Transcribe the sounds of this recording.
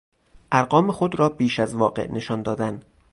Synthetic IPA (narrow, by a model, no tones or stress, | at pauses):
ʔæɾɢɒːmexod̪ɾɒːbiːʃæzvɒːɢḛʔne̞ʃɒːnd̪ɒːd̪æn